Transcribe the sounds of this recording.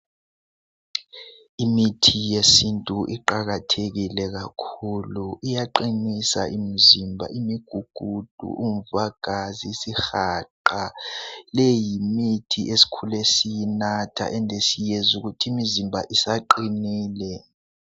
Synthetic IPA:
imitʰijesintʼuʔiǃaɣatʰeɣilɛɣakʰuluʔijaǃinisa̰ʔim̩zimbʱa̰ʔimiɡ̥ʱuɡ̥ʱud̥ʱṵʔum̩vaɡ̥ʱazisixaǃalejimitʰiʔesi̥kʰulesijinatʰa̰ʔɛndʱesijezuɣutʰimizimbʱaʔisaǃiniːlɛ

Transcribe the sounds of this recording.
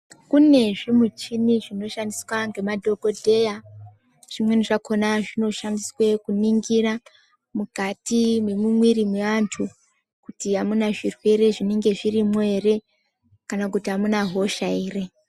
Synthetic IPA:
kune̞ʐimut͡ʃiniʐino̞ʃandiswaŋɡe̞madʱo̞ɡo̞dʱe̞ja | ʐ̥imwe̞niʐako̞naʐino̞ʃandiswekuniŋɡira | mukatime̞mumwiɾimweʋantʰu | kutiɦamunaʐirwe̞ɾe̞ʐineŋɡe̞ʐirimere̞ | kanakutiɦamunaɦo̞ʃaiːre̞

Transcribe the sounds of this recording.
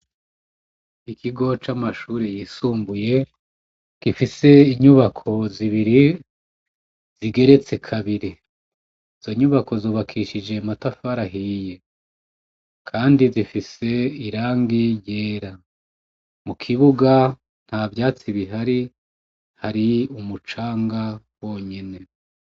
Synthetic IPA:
ikʰiɡo̞t͡ʃamaʃuːɾijiːsuːmbuje̞ | kifise̞iɲuβakʰo̞ziβiɾi | z̥iɡe̞ɾe̞t͡se̞kʰaβiɾi | izo̞ɲuβakʰo̞zoːβakʰiʃid͡ʒe̞matafaɾaɦiːje̞ | kʰaːndizifise̞iɾaːŋɡijeːɾa | mukʰiβuɡa | n̥havjaːt͡siβiɦaɾi | haɾiumut͡ʃaːŋɡa | wo̞ːɲe̞ne̞

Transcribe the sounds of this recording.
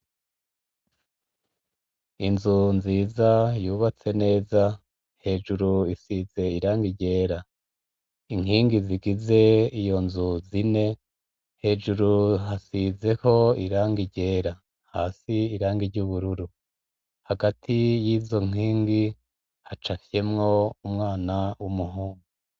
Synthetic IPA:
inzunziːzajuːβat͡se̞ne̞ːza | he̞ːʒuɾuisize̞iɾaːŋɡiɟe̞ːɾa | iŋ̥hiːŋɡiziɡize̞ijo̞nzuzine̞ | he̞ːʒuɾuhasize̞ho̞iɾaːŋɡiɟe̞ːɾa | haːsiiɾaːŋɡiɾɟuːβuɾuɾu | haɡatʰijiːzo̞ŋ̥iːŋɡi | hat͡ʃafje̞mŋo̞umŋaːnawumuɦuːŋɡu

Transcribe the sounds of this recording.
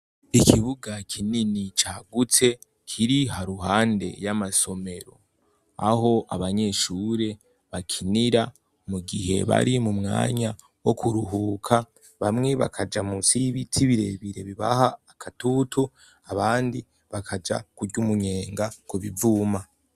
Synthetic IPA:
ikʰiβuɡakʰininit͡ʃaːɡut͡se̞ | kʰiɾihaɾuɦaːnde̞̰jamaso̞me̞ɾo̞̰ | a̰ho̞ʔaβaɲe̞ːʃuːɾe̞ | βakʰiniɾa | muɡiɦe̞̰βa̰ɾimumŋa̰ːɲa | wo̞kʰuɾuɦuːkʰa | βamŋe̞βa̰kʰad͡ʒamusiβitʰiβiɾe̞̰βiɾe̞βiβa̰haːkʰatutu | aβaːndi | βakʰad͡ʒa̰kuɾɟumuɲe̞ːŋɡakuβivuːma

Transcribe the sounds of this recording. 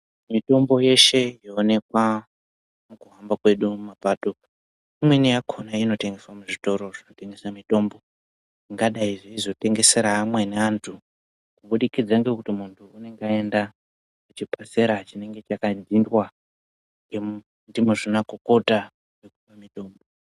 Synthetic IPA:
mito̞mbo̞je̞ʃe̞joːne̞kwa | mukuɦambakwe̞ɗuumapato̞ | imwenijakʰonaino̞te̞ŋɡe̞swamuʐito̞ɾo̞ʐ̥inote̞ŋɡe̞samito̞ːmbo̞ | iŋɡaɗaiʐiizo̞te̞ŋɡe̞se̞ɾaːmwe̞neantʰu | kuɓuɗikid͡zaŋɡe̞kutimuntʰuːne̞ŋɡae̞nda | kut͡ʃipase̞ɾat͡ʃine̞ŋɡe̞t͡ʃakad͡zindwa | ŋɡe | ndimuʐinakoko̞ta | wekupamito̞ːmbo̞

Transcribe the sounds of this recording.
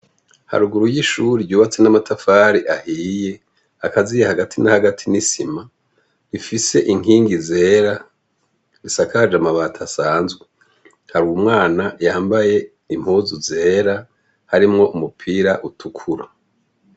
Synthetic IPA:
ha̰ɾuɡuɾujiʃuːɾiɟuːβat͡se̞namatʰafaɾiʔahiːje̞ | akazijehaɡatʰinahaɡatʰinisima | ifise̞ʔiŋiːŋɡize̞ːɾa | ɾisakad͡ʒamaβaːtʰasaːnzɡwe | haɾuwumŋaːnajaːmbaje̞ | im̥huːzuze̞ːɾa | haɾimŋo̞umupʰiɾaʔutʰukʰuɾa̰

